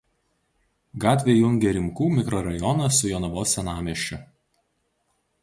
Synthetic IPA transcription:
ɡɑːt̪ʲʋʲeːjʊŋʲɡʲɛɾʲɪmkuːmʲɪkɾɔɾɐjɔnɐsʊjonɐʋoːsʲɛnɑːmʲeʃʲt͡ʃʲʊ

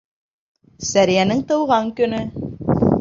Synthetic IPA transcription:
sæɾijænɘŋt̪ɤ̆wʁɑŋkɵ̆nɵ

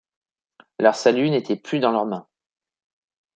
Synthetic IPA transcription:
lœʁsalynet̪ʰɛplyd̪ɑ̃lœʁmɛ̃

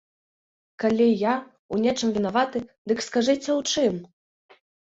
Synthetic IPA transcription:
kalʲija | unʲɛt͡ʂɨmvʲinavat̪ɨd̪ɨkskaʐɛt͡sʲɐwt͡ʂɨm

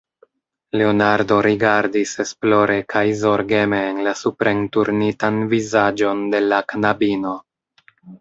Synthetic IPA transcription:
le̞onaɾdo̞ɾiɡaɾdise̞splo̞ɾe̞kʰajzo̞ɾɡe̞me̞ːnlasupɾe̞ntuɾnitanvizad͡ʒo̞nde̞lakanabino̞

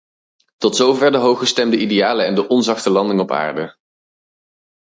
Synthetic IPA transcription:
tɔtsowvɛɹdəɦowχəstɛmdəʔidejaːləɛndəʔɔnzɑχtəlɑndɪŋɔpa̰ːɹdə

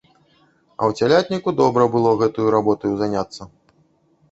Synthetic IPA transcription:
ɐ̰wt͡sʲalʲat̪ʲnʲikud̪ɔbɾɐbɨlˠɔɣɛt̪ɐjuɾabɔt̪ɐjuzanʲat̪sːɐ

